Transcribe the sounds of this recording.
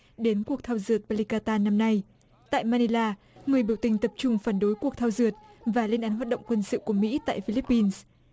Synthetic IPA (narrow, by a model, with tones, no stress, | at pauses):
ɗe˨˦nku˨˩ək̚t̪ʰaː˧wzɨ˨˩ət̚ɓa˧li˧kaː˧t̪aː˧na˧mna˧j | t̪a̰ː˧˨jmaː˧ni˧laː˧ | ŋɨ˨˩əjɓi˧˩əwt̪ï˨˩ŋ̟t̪ə˨˩p̚t͡ɕʊ˧ŋ͡mfaː˧˩nɗo˨˦jku˨˩ək̚t̪ʰa˧wzɨ˨˩ət̚vaː˨˩li˧ənʔaː˨˦nhɦaː˨˩t̚ɗ̰wŋ͡mkwə˧nsɨ̰˧˨ku˧˩əmḭ˧˥t̪a̰ː˧˨jfi˧li˦˥pːi˧ns